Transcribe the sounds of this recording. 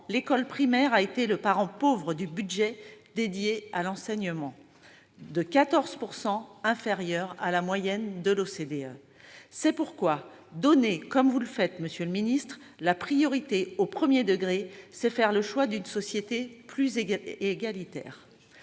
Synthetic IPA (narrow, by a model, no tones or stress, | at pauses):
lekɔlpχimɛʁaet̪eləpaʁɑ̃povʁəd̪ybyd̪ʒɛd̪ed̪jealɑ̃sɛɲəmɑ̃ | d̪əkat̪ɔʁz̥puʁsɑ̃ɛ̃feʁjœʁalamwajɛnd̪əlosed̪eø | sɛpuʁkwa | d̪ɔnekɔmvuləfɛt̪məsjøləminist̪χ | lapχijɔʁit̪eopχəmjed̪əɡʁesɛfɛʁləʃwad̪ynsɔsjet̪eplyzeeɡalit̪ɛ̰ːʁ